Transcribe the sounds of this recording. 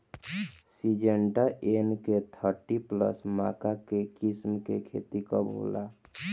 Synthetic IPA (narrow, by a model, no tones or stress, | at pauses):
sid͡ʒeɳɖaʔenket̪ʰəɾʈiplə̰sma̰ːkakekismkekʰḛt̪ikɔbʱo̰la